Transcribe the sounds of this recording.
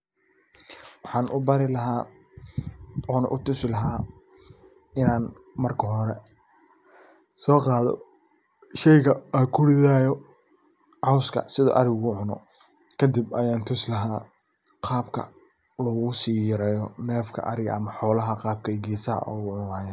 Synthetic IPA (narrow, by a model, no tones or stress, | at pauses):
wɑħɑːnʔʊbɐɾɪlɐɦaː | ɔːnɐʔʊt̪ʊsɪlɐɦaː | ɪnaːn | mɐrkʰɐɦɔɾɛ | sɔːqɑːðɔ̰ | ʃɛjɣɐɐkʰʊɽɪðaːjɔ | ʕɑwskʰɐ̰sɪðɔ̰ːʔɐɾɪɣʊɣʊʕʊnɔ̰ | kʰɐd̪ibɐjaːnt̪ʰʊslɐɦaː | qʰɑːbkʰɐ̰ | lɐɣʊɣʊsiːjɪɾɛːjɔnɛːfkʰɐ̰ʔɐɾɪɣɐ̰ʔɐmɐħɔːlɐɦɐqɑːb̚kʰɐɡiːsɐɐ̰ʔɔːɣʊʕʊnaːjaːn